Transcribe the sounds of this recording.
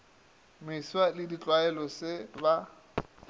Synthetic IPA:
mɪswalɪdit͡ɬʼwaɛlɔsɪba

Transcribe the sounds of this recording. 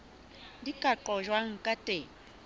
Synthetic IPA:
dikʼaǃɔʒwaŋ̩kʼatʼeː

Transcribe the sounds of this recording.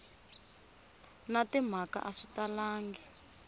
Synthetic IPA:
natim̤aka̰ʔaʂitalaːŋɡi

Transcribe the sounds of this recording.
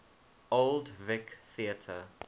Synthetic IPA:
oldvɪkθiətʰə̰

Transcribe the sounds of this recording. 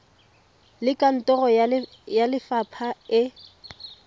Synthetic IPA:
lɪkʼan̩tʼɔrɔ | jalɪfapʰaɪ

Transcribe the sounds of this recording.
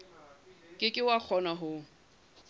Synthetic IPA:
kʼɪkʼɪwak͡xʰɔnaɦʊ

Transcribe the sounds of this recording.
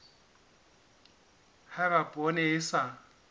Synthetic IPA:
harapʼɔnɛɪsa

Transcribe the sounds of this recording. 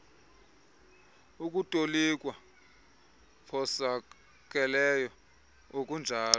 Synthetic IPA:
uk̬ʼutʼolikʼwa | pʰɔsa | k̬ʼɛlɛjɔ | okʼund͡ʒʱaːlɔ

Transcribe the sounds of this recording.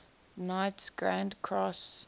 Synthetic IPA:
naɪtsɡ̥ɹãndkʰɹɔs

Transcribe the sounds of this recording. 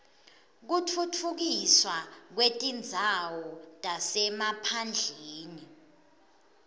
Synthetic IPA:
k̬utʰutʰuk̬iswak̬wetʼind͡zʱawɔtʼasɛmapʰand͡ɮʱeːni

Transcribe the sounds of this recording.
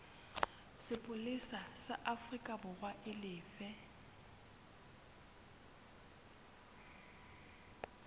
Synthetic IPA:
sɪpʼʊlisasaʔafrikʼabʊrwaʔɪlɪːfɛ

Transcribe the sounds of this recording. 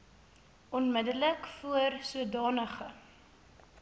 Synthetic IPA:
ɔnmədələkfuərsuədɑːnəχə

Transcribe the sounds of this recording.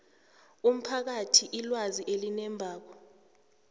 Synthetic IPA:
um̩pʰak̬atʰiʔilwaziʔelinɛmbʱaːk̬ɔ

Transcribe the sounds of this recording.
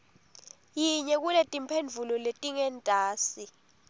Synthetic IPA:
jiɲɛk̬ulɛtʼimpʰend͡vʱulɔletʼiŋɛntʼaːsi

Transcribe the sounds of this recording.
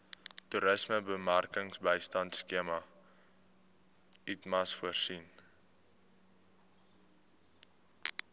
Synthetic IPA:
tuɾəsməbəmærkəŋsbəjstɐntskiəmɐ | itmɐsfuərsin

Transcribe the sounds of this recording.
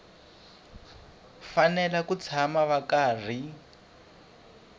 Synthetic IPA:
fanɛlakut͡sʰamaβakaːr̤i

